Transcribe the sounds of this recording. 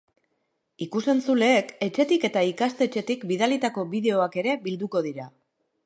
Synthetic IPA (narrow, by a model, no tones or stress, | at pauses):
ikuse̞nt͡sule̞ːke̞t͡ʃe̞t̪ike̞t̪aikast̪e̞t͡ʃe̞t̪ikbiðalit̪ako̞βiðe̞o̞ake̞ɾe̞bild̪uko̞ð̞iɾa